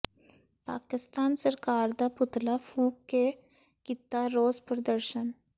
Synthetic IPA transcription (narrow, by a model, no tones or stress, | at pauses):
pa̰ːkɪst̪aːnsəɾkaːɾd̪apʊt̪lafʰuːp̚ke | kɪt̪ːaɾoːzpɾəd̪əɾʃən